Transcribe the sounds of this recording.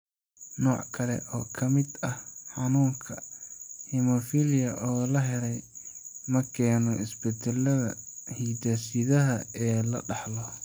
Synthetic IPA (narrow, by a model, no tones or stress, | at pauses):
nɔːʕkʰɐlɛ̰ʔɔːkʰɐmɪd̪ɐhħɑnuːŋkʰɐhimɔfilɪjɐʔɔːlɐɦɛlɛjmɐkʰɛːnɔɪsbɛt̪ɛlɐðɐ̰hiːd̪aːsɪðɐɦɐɛːlɐ̰ɖɑħlɔ